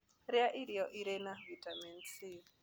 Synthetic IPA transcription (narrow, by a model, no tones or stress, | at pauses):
ɾiaʔiɾiɔʔiɾɛnaβitʼamɛnt͡siː